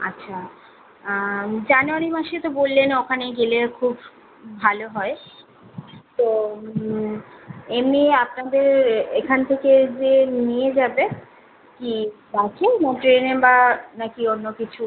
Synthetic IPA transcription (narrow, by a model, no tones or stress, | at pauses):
a̰tːɕʰa | d͡ʑanuaɾimaʃet̪obolːenokʰaneɡelekʰubːʱ | aloɦɔe | t̪o | emniapnad̪eɾekʰant̪ʰeked͡ʑenijed͡ʑabe | kid̪akʰenoʈɾenebanakionːokit͡ɕʰu